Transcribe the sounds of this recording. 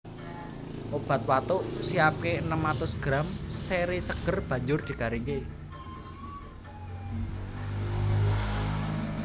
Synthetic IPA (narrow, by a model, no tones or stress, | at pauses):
ʔob̥a̤t̪̚wat̪ʊʔsiap̚keənəmat̪ʊsɡ̥ɾamseɾisəɡ̥ərb̥ä̤ɲd͡ʒʊrd̪̥i̤kaɾiŋke